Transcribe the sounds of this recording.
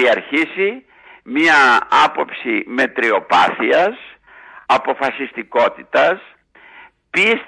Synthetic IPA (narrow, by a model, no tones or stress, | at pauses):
iɐɾçisi | miɐɐpo̞psime̞t̪ɾio̞pɐ̰θiɐs | ɐpo̞fɐsist̪iko̞t̪it̪ɐs | pis